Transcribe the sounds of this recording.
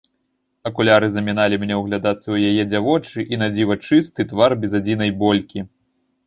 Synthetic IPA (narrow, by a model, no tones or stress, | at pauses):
ɐkulʲaɾɨzɐmʲinalʲimʲnʲɛwɣlʲad̪at̪sːɐwjajɛd͡zʲavɔt͡ʂɨʔinad͡zʲivɐt͡ʂɨst̪ɨt̪varbʲɛzad͡zʲin̪ɐjbɔlʲkʲi